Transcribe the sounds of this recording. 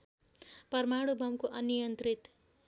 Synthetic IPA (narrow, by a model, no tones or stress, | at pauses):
pʌrmaɽubʱʌmkoʔʌnijʌnt̪rit̪